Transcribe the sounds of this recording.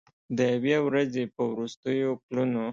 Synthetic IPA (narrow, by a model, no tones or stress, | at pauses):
d̪əawjawɾazepəwɾust̪əjopluno